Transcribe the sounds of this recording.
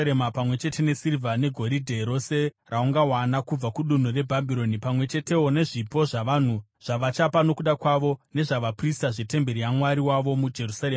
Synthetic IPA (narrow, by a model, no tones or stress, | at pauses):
emapamwe̞t͡ʃe̞te̞ne̞sirvane̞ɡʱo̞ɾidʱe̞ɾo̞se̞ | rʔauŋɡawanakub͡vakuɗun̤ure̞bʱabʱiɾo̞nipamwe̞t͡ʃe̞te̞one̞ʐipo̞ʐaʋan̤u | ʐ̥aʋat͡ʃapano̞kuɗakwaʋo̞ne̞ʐaʋapristaʐete̞mbeɾijamwaɾiwaʋo̞mud͡ʒe̞rusaɾema